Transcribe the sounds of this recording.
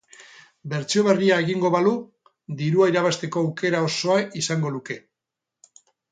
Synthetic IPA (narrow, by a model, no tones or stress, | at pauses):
be̞ɾt͡sio̞β̞e̞riae̞ɣiŋɡo̞βalu | d̪iɾuaiɾaβ̞ast̪e̞ko̞awke̞ɾao̞so̞aisaŋɡo̞luke̞